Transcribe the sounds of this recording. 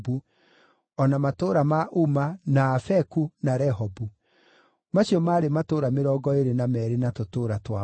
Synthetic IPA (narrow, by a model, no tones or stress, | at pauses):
bu | ɔnamatoːɾamaʔumanaːfɛkunaɾɛɦɔbu | maɕiɔmaːɾematoːɾameɾɔːɡɔeɾenamɛːɾenatotoːɾatwa